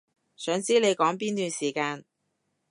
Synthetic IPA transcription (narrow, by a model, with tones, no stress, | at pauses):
sœː˨˧˥ŋt͡siː˥le˨˧jkɔː˨˥ŋp̬iː˥nt̪yː˨˧nsiː˨˩kaː˧n